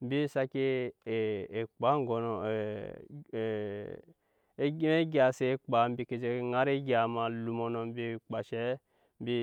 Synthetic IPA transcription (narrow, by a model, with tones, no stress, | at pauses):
m̩˦bi˦sa˧ke˦˨ | e˨k͡pa˨˦ŋ˦˨ɡɔ˨nɔ˨˦ | ɡi˦me˦ɡi˦a˨se˧˨˦k͡pa˨˦m̩˦bi˧ke˧d͡ʒe˧ŋa˦ɾe˦ɡʲa˨ma˨lu˨mɔ˧nɔ˧m˦bi˧˨k͡pa˨ʃɛ˨˦ | m̩˦bi˦